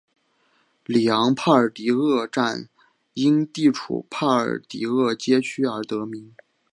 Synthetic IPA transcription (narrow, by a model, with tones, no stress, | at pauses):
li˨˩jɑ˧˥ŋpʰa˥˩ə˞˨˩t̪i˧˥ɤ˥˧ʈ͡ʂa˥˧n | i˥nt̪i˥˩ʈ͡ʂʰṵ˨˩pʰa˥˩ə̰˞˨˩t̪ḭ˧˥ɤ˥˩t͡ɕjɛ˥t͡ɕʰy˥ə˞˧˥t̪ɤ˧˥mi˧˥ŋ